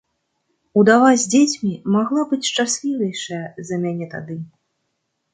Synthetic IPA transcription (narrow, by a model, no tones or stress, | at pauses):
ud̪avazʲd͡zʲet͡sʲmʲimaɣlˠɔbɨt͡sʲʂt͡ʂasʲlʲivʲɛjʂɐjɐzɐmʲanʲɛt̪a̰d̪ɨ